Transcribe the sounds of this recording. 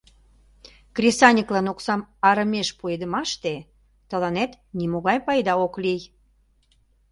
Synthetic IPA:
krʲisɑnʲəklɑnoksɑmɑɾəmeʃpued̪ə̆mɑʃt̪e | t̪əlɑnet̪ | nimoɣɑjpɑjd̪ɑoklij

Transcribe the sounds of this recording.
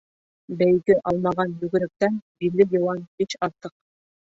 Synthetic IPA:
bæjɡɘʔɑlˠmɑʁɑnjʉɡɘ̆ɾɘ̆k̚t̪ænbiɾɡɘjɤ̆wɑnbiɕɑɾt̪ɤq̚

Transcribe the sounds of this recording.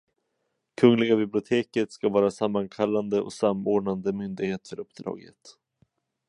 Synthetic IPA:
kʰɵŋlɪɡabɪblɪʊt̪ʰeːkət̪skavɑːɾasamːaŋkʰalːand̪əʔɔ̰samoːɖɳand̪əmʏnd̪ɪɡheːt̪fœɾɵpːd̪ɾɑ̰ːɡə̰t̪

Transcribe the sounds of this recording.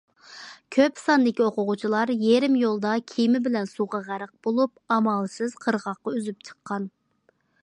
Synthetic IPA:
kʲʰøpsɑnd̪ɪkʲioqʊʁʊt͡ʃʰilˠɑɾjeɾɪmjolˠd̪ɑkʲʰimɪbɪlɛnsuʁɑʁæɾəq̚b̥olˠup̚ɑmɑlˠsɨz̥qʰəɾʁɑqːɑyzyp̚t͡ʃʰə̥qʰːɑn

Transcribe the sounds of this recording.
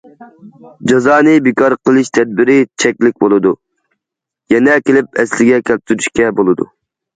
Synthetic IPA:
d͡ʒɑzɑːnɨbɪkɑɾqəlˠɨʃt̪ʰɛd̪̚bɪɾɪt͡ʃʰɛkʲlɪk̚ʲbolˠɨd̪u | jɛnɛkʲʰelɪp̚ɛslɪɡʲɛkʲʰɛlp̚t̪ʰyɾyʃkʲɛbolˠɨd̪ṵ

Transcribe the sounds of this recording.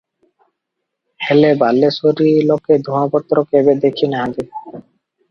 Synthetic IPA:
helebalːesoɾilɔked̪ʱuãpɔt̪ːɾɔkebed̪ekʰinaɦãd̪i

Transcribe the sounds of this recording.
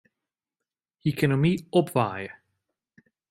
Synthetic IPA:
ekonomiɔpʋaːjə

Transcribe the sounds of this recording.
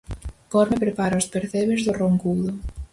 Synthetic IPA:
kɔɾmepɾepaɾaospeɾθeβezðoroŋkulo

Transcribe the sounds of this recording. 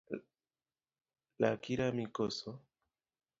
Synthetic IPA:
la̰kiɾamikoso

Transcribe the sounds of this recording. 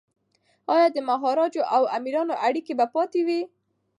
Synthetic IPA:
ɑjɑd̪əmaɦɑɾɑd͡ʒoʔawamiɾɑnoʔaɽikebapɑt̪ewi

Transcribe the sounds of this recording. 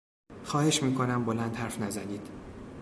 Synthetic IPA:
xɒːhe̞ʃmiːkʰo̞næmbolænd̪hæɾfnæzæniːd̪̥

